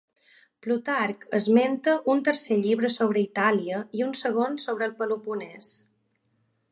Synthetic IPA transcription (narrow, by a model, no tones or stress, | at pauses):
plut̪aɾkəzment̪əʔunt̪əɾseʎiβɾəsoβ̞ɾəit̪aliəiunsəɣ̞onsoβ̞ɾəːlˠpəlupunɛs